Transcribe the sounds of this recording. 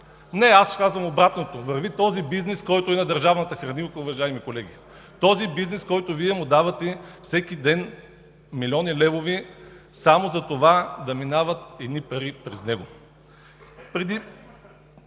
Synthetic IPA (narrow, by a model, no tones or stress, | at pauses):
nɛaskazvɐmobɾat̪not̪ovɐɾvit̪ɔzibiznɛskɔjt̪ʊɛnɐd̪ɐɾʒavnɐt̪əxɾɐnikʊvɐʒajɛmikolɛɡʲi | t̪ɔzibiznɛskɔjt̪oviɛmʊd̪avɐt̪ɛfsɛkid̪ɛn | milʲiɔnilɛvovisamozɐt̪ovad̪ɐminavɐt̪̚ɛd̪nipɐɾipɾɛznɛɡo | pɾɛd̪i